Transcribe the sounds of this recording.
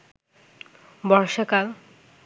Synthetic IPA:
bɔɾʃakal

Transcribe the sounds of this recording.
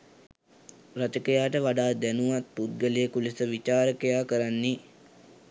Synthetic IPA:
ɾat͡ʃəkəjaːʈəʋaɖaːd̪ɛnuʋat̪̚put̪̚ɡəlijəkulisəʋit͡ʃaːɾəkejaːkəɾanːi

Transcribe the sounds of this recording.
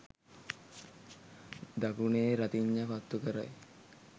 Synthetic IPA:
d̪akuneːɾat̪iɲːəkat̪ːukəɾa̰j

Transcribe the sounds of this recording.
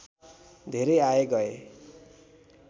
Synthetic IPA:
d̪ʱeɾʌjaeɡʌe

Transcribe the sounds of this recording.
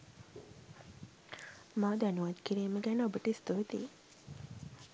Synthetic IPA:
maːd̪ænuʋat̪kiɾiːməɡɛnobəʈəist̪uʋet̪iː

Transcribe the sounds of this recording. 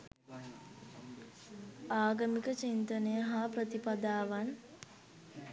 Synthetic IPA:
aːɡəmikət͡ʃint̪ənəjəɦapɾət̪ipad̪aːʋan

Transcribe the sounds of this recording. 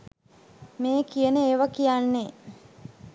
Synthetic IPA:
meːkijənəeːʋakijanːe

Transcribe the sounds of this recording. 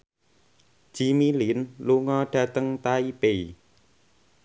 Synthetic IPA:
ʒ̥imilinluŋɔɖ̥ä̤t̪əŋt̪aipe

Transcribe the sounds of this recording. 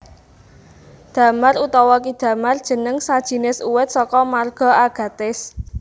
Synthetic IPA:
d̪̥ä̤marut̪ɔwɔkid̪̥ä̤mard̥ʒ̥ə̤nəŋsad̥ʒ̥i̤nɪsuwɪt̪̚sɔkɔmarɡ̥ɔ̤aɡ̥a̤t̪ɪs

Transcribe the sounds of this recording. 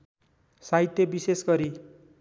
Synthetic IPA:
saɦit̪ːjebisesɡʌɾi

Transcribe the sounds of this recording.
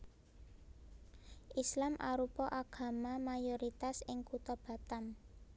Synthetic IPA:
ʔislamʔa̰ɾupɔʔaɡ̥a̤mamajɔɾit̪asɪŋkut̪ɔb̥a̤t̪am

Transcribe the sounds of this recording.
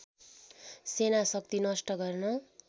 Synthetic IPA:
senasʌk̚t̪inʌsʈʌɡʌrnʌ

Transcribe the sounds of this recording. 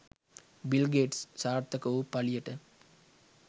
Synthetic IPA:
bilɡeːʈssaːɾt̪ɐkɐʋupɐlijɐʈə

